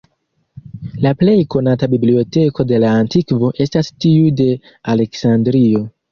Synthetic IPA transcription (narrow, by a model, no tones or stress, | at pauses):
laple̞jko̞natabiblio̞te̞ko̞de̞laːntikvo̞ʔe̞stastiude̞ | ale̞ksandɾio̞